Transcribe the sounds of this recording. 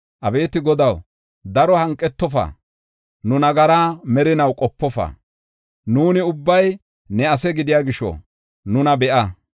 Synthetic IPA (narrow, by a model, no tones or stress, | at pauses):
ʔɐbe̞ːt̪ɪɡɔd̪ɐw | d̪ɐɾɔhɐŋkʼːɛt̪ːɔfa̰ː | nʊnɐɡɐɾaːmɛɾɪnɐwkʼɔpːɔfɐ̰ː | nuːnɪʊbːɐj | nɛɐs̬ɛɡɪd̪ɪjaːɡɪʃɔ̰ | nʊnɐbɛʔɐ